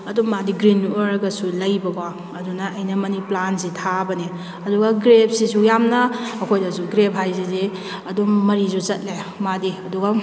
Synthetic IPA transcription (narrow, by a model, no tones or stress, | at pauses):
ɐdumadiɡɾinueɾɐɡɐsulɐjbɐɡa | ɐdunɐʔɐjnɐmɐniplansitʰabɐne | ɐduɡaɡɾep̚sisujamnɐɐkʰojdɐsuɡɾebɦajzizi | ɐdumɐɾizuzɐt̚lemadiɐduɡa